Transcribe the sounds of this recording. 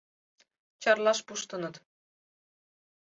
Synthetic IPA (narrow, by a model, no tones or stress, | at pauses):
t͡ʃʰɑɾlˠɑʃbuʃt̪ɯnɯd̪